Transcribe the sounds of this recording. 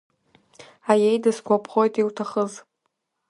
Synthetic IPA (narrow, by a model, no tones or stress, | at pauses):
ajejdɨskʷapʰχo̞jtʼiwtʰaχəz